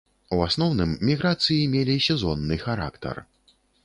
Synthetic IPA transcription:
uasnɔwnɨmːʲiɣɾat̪sɨjimʲelʲisʲɛzɔnːɨxaɾa̰kt̪ɐ̰r

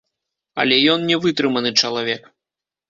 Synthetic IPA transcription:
ɐ̰lʲɛjɔnnʲɛvɨt̪ɾɨmɐnɨt͡ʂɐlˠavʲɛk

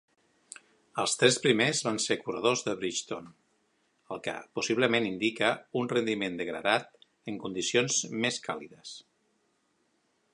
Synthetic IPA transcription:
əlˠst̪ɾɛspɾimezβanseɾkurəðozðəβɾit͡ʃt̪on | əlˠkə̰pusiβləmenind̪ikəunrənd̪imend̪əɣɾə̰ðat̪ | əŋkund̪isionzmeskʰa̰liðəs

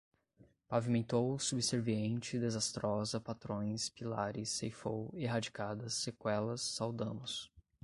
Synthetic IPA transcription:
pavimẽnt̪owsubiseɾviẽnt͡ʃɪd̪ezast̪ɾɔzɐpat̪ɾõj̃spilaɾɪsefoweɦad͡ʒikad̪ɐsːekwɛlɐsːawd̪ɐ̃nʊs

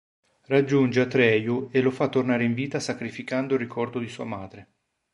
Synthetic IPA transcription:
rad͡ʒːund͡ʒeat̪ɾɛːjuelːofat̪ːornaːɾeiɱviːt̪asakɾifikand̪orikʰɔrd̪od̪isuːamaːd̪ɾe

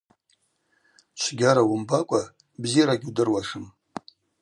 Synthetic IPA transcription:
t͡ʃʷʰɡʲaɾawʊmbakʷʼa | bzijaɾaɡʲudɨrwaʂɨm

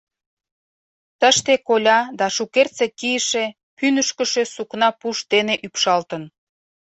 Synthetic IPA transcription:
t̪əʃt̪ekolʲɑd̪ɑʃukert͡sekiəʃe | pynəʃkə̆ʃøsuknɑpuʃd̪eneʔypʃɑlt̪ən

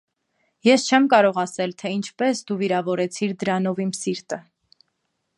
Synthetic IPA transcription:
jɛst͡ʃʰɛmkɑɾɔʁɑsɛlt̪ʰɛint͡ʃʰpɛsd̪uviɾɑvɔɾɛt͡sʰiɾd̪əɾɑnɔvimsiɾt̪ə

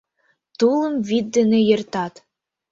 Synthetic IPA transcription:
t̪ulˠɤ̆mvid̪ːɘ̆nĕjɤ̆rt̪ɑt̪

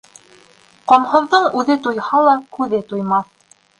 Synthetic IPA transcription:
qɒmhɤ̆ðːɤɴʉðɘt̪ujhɑlˠɑkʉðɘt̪ujmɑθ

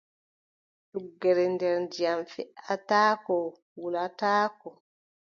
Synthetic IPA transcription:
suɡːɛɾɛndɛɾndijamfɛʔataːkɔ | wulataːkɔ

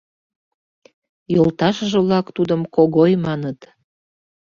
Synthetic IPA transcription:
jolt̪ɑʃəʒə̆βlɑkt̪ud̪əmkoɣojmɑnət̪

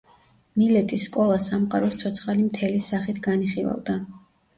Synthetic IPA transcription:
milɛt̪ʼisːkʼɔlˠasamqʼaɾɔst̪sʰɔt̪sʰχalimt̪ʰɛlisaχit̪ʰɡaniχilˠa̰vd̪a

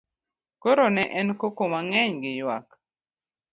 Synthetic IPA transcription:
koɾonɛʔɛnkokomaŋɛɲɡɪjwa̰k

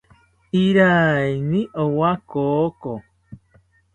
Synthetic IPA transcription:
iɾainiʔowakoko

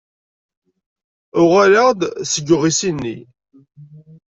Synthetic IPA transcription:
ʊʁaləʁd̪səɡʊʁisinːḭ

